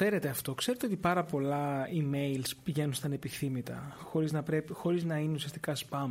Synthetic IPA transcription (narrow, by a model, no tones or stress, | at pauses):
e̞ɾe̞t̪e̞ɐft̪o̞kseɾ̞t̪e̞o̞t̪ipɐɾɐpo̞lɐimejlspiʝe̞nunst̪ɐnepiθθimit̪ɐ̰xo̞ɾiznɐpɾe̞pixo̞ɾiznɐineusiɐst̪ikɐspɐm